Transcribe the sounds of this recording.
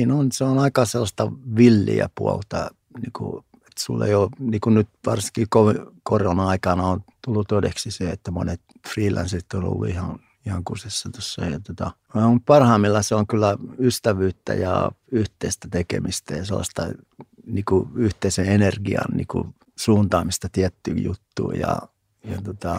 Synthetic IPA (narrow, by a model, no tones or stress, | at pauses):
iːnonseonɑikɑselːɑst̪ɑʋilːḭæ̰puolt̪ɑ | niːkṵ | et̪sulːḛijoniːkunnyt̪ʋɑrsi̥ŋkikoʋikorjonɑikɑnɑont̪ulːut̪odeksiseet̪ːæmonet̪ | friːlæ̰nsit̪ːono̰lːṵihɑ̃n | ihɑŋkusesːɑt̪osːɑijɑt̪ot̪ɑ | omupɑrhɑimːilːɑseoŋkylːæyst̪æʋyːt̪ːæ̰jɑ̰yht̪eist̪æt̪ekḛmist̪æjɑselːɑ̰st̪ɑ | niːkuyht̪eiseenerɡiɑ̰nnḭːkṵ | suːnt̪ɑːmist̪ɑt̪iæt̪ːyjṵt̪ːṵːjɑ̰ | jɑt̪ot̪ɑ